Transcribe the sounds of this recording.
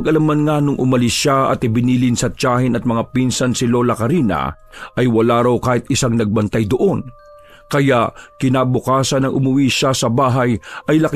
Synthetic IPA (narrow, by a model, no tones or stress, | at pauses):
ɡʔɐlamːanŋanʊŋʔʊmɐlɪsʃaɐ̰t̪ɪbɪniːlɪnsɐt͡ʃaːhɪnɐt̪̚mɐŋapinsɐnsɪlo̞ːlɐkɐɾiːnɐ̰ | ʔɐjwɐlaːɾawkaːhɪt̪̚ʔɪsaŋnɐɡ̚bɐnt̪ajd̪oʔo̞n | kɐjaʔkɪnabʊkaːsɐnɐŋʔʊmʊwiʃasɐbaːɦɐjʔɐjlɐk